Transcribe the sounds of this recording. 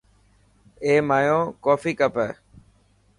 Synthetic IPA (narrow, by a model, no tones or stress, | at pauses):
eːmaːjõːkoːfiːkəpə